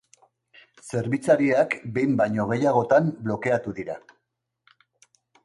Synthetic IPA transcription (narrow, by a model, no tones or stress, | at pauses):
se̞ɾβit͡saɾiakbe̞jmbajɲo̞ɣ̞e̞jaɣ̞o̞t̪amblo̞ke̞at̪uðiɾa̰